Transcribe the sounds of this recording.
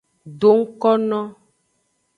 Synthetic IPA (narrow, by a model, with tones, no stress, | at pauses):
ɖo˨ŋ̩˦kɔ˦nɔ̃˦